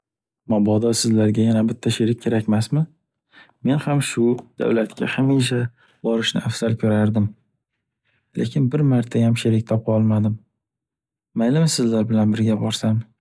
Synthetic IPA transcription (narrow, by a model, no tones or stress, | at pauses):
mabɒd̪ɒsɪzlaɾɡʲajanabɪt̪ʰːaʃeɾɪk̚ʲʰːe̞ɾakʲmasmɪ | me̞nhamʃʊd̪̥a̰wlat̪kʲʰa̰hameʃ̬a | bɒɾɪʃnɪ̰ʔafsalkʲʰɵɾaɾd̪ɪm | lʔekʲʰɪnbɪɾmaɾt̪ʰajamʃeɾɪk̚ʲt̪ʰɒpɒlˠmad̪ɪm | ajlɪmɪsɪzlaɾbɪlanbɪɾɡʲabɒɾsam